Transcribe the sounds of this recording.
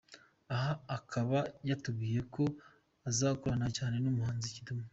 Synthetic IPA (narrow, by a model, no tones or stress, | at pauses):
aɦaːkʰaβajatub̚ɡiːje̞ko̞ | azakuɾanacaːne̞nomuhaːnzicituma